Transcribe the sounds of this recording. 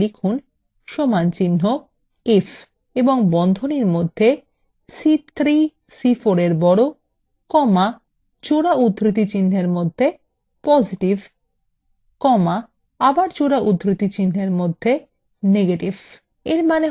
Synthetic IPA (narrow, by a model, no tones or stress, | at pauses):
ɾikʰun | ʃomant͡ɕinːo | ef | eboŋbɔnd̪ʱoniɾmod̪ʱːe | sit̪ʰɾi | sifoɾeɾbɔɽo | kɔma | t͡ɕoɽaut̪ːɾit̪̬it͡ɕinːeɾmod̪ʱːe | pɔd͡ʑiʈiv | kɔma | abaɾt͡ɕoɽaʔut̪ːɾit̪it͡ɕinːeɾmod̪ʱːe | neɡeʈiv | eɾmane